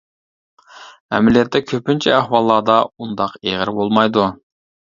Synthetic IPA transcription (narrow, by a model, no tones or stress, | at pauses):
ɛ̰mɪlijɛt̪ːɛkʲʰøpynt͡ʃʰɛæhwɑlˠːɑːd̪ɑund̪ɑqeʁɪɾbolˠmɑjd̪u